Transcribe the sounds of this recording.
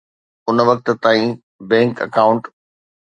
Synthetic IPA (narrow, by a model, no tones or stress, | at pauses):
ʊnʋɐk̚t̪̆t̪aːĩ | bɛ̃ːŋkɐ̰kaːʊ̃ɳʈ